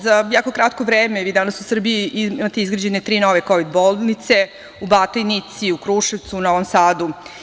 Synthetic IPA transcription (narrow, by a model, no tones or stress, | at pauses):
zajaːko̞kɾat̪ko̞ʋɾeːmeʋiːd̪anasusr̩biiimat̪eizɡɾad͡ʑenet̪ɾiːnoʋekoʋid̪bolˠnit̪se̞ | ubat̪ojnit̪siukɾuʃeʋt̪sunoʋomsaːd̪u